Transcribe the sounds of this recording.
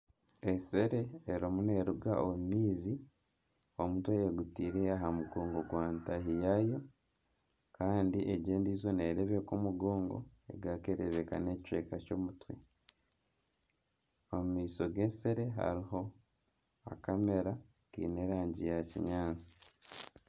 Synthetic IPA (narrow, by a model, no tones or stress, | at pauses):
e̞se̞ɾe̞ːɾomune̞ɾuɡaʔomumiːzi | omutweeɡutiːɾeaɦamuɡo̞ːŋɡo̞ɡwaːntaɦijajo̞ | kaːndiʔeɟeːndizo̞neːɾeβekumuɡo̞ːŋɡo̞̰e̞̰ɡakeɾeβeka̰ne̞ːct͡ʃwe̞̰ːkaco̞ːmutwe̞̰ | omumiːso̞ɡe̞se̞ɾe̞ɦa̰ɾiɦo̞ | a̰kame̞ɾa | kḭːne̞ːɾaːɲɟijacḭɲaːnt͡si̥